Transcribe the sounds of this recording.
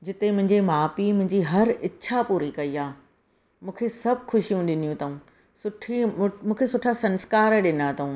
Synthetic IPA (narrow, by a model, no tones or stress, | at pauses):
d͡ʑɪt̪emʊ̃ɦɪ̃ɲd͡ʑimaːpimʊ̃ɦɪ̃ɲd͡ʑiɦɐɾɪːɕʰapuːɾikɐiaː | mũːkʰesɐb̚ʱxʊʃijũɗɪn̤ijũt̪ʰɐũː | sʊʈʰimũːkʰesʊʈʰasɐ̃nskaːɾɗɪnat̪ʰɐũː